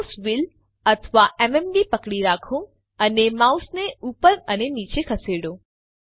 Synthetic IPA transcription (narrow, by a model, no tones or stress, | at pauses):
sʋil | ət̪ʰəʋaʔɛmɛmbipəkɽiɾakʰõ | ənemausneupəɾənenit͡ʃekʰəseɽo